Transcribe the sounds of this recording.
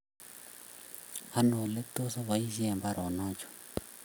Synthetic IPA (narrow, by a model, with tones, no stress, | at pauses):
ha˦nɔ˨le˦t̪o˦sa˦βa˨i˦ʒi˦ɛ˨mba˦ɾʔɔ˨na˦t͡ʃɔ̥˨